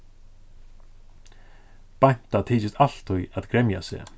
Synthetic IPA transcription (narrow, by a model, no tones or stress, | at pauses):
pajn̥t̪at̪ʰiːt͡ʃɪst̪al̥t̪ʰːujaðɡɾɛmja̰sɛ̰ː